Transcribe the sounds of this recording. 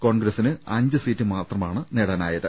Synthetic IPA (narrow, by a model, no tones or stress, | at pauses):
ko̞ːɳɡɾɐsinɨɐɲd͡ʑɨsiːtːɨmaːt̪rɐmaːɳɨniɽɐnaːjɐðɨ